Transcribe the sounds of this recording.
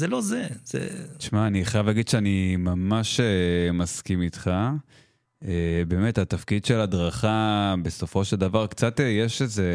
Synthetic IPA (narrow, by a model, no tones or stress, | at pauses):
zelo̞zez̥ḛt͡ʃmaːniaχajavlaɡid̥̪ʃeanimamaʃemaskimit̪χa | ebe̞me̞tatafkidʃe̞lad̪ʁaχabe̞so̞fo̞ʃe̞ld̪avaʁkt͡sat̪ejeʃeze̞